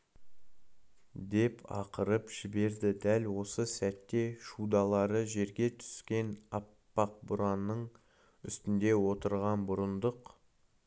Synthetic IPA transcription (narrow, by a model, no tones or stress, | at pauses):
d̪e̞pɑ̰qəɾəpʒ̥ɪbe̞ɾd̪ɪd̪ælwo̞səsæt̪ːe̞ʃud̪ɑlˠɑɾəʒe̞ɾɡʲe̞t̪ʰʏ̥skʲe̞nɑpːɑq̚bʊɾɑnːəɴ | ʏst̪ɪnd̪e̞wo̞t̪əɾʁɑnbʊɾənd̪əq